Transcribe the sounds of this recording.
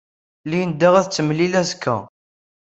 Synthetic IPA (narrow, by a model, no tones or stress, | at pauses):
lijənd̪æʁæðt͡sːəmlilæzkʰːæ̰